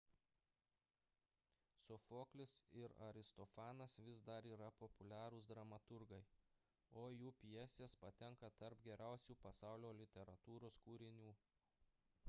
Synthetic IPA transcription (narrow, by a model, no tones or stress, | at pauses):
sʊfoːklʲɪsɪɾɐɾʲɪst̪ɔfɑːnɐsʋʲɪsd̪ɐɾiːɾɐpɔpʊlʲæːɾʊsd̪ɾɐmɐt̪ʊɾɡɐɪ | oːjuːpʲijɛsʲeːspɐt̪ʲɛŋkɐt̪ɐɾpɡʲɛɾʲæˑʊsʲuːpɐsɑˑʊlʲoːlʲɪt̪ʲɛɾɐt̪uːɾoːskuːɾʲɪnʲuː